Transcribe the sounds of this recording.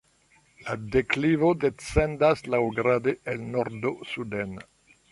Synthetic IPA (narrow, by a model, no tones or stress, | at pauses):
ladeklivodet͡sendaslawɡɾadeelnoɾdosuden